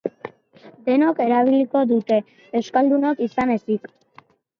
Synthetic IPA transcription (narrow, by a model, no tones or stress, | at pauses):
d̪e̞noke̞ɾaβ̞iliko̞ðut̪e̞ː | wskald̪unokisane̞sik